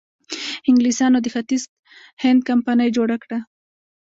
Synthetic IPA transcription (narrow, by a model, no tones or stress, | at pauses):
ɪŋɡlisɑnod̪əxat̪is | hɪnd̪̚kampanəjd͡ʒoɽakɽa